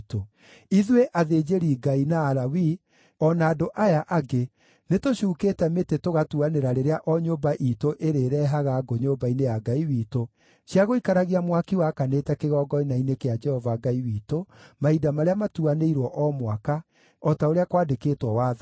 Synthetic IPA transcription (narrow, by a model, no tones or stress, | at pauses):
to | iðuweʔaðeːd͡ʒeɾiɡainaːɾawi | ɔnaːdoʔajaʔaɡe | netoɕuːkeːtɛmetetoɣatuaneɾaɾeɾeaʔɔɲobaʔitoʔeɾeːɾɛɦaɣaɡoɲoːbainejaɡaiwiːto | ɕjaɣoikaɾaɣiamwakiwakaneːtɛkeɣɔːɡɔinainekead͡ʒɛhɔvaɡaiwiːtomaidamaɾeamatuaneiɾwɔʔɔmwaka | ɔtaoɾeakwaːdekeːtwɔwaː